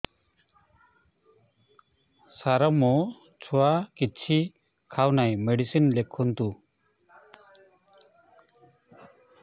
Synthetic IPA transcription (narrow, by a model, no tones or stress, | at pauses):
saɾəmo | t͡ʃʰuakit̪t͡ʃʰi | kʰawnajmeɖisinlekʰːunt̪u